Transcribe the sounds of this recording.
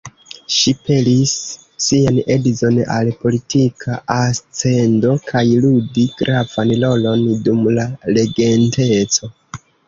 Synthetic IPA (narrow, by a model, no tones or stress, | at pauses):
ʃipe̞lisː | iane̞dizo̞na̰lpo̞litikʰaʔast͡se̞ndo̞kʰajludiɡ̥ɾʔavanlo̞lo̞ndumlale̞ɡe̞nte̞t͡so̞